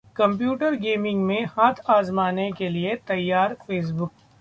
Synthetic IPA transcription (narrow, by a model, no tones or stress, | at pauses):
kɐ̃mp̬juːʈəɾɡeːmɪ̃ŋɡmẽhaːt̪ʰaːzmaːnekeliet̪ɐjːaːɾfeːs̬bʊk̚